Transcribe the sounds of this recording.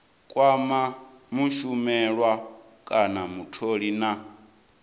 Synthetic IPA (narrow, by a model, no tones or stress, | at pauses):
kʼwama | muʃumɛɺwa | kʼanamutʰoɺina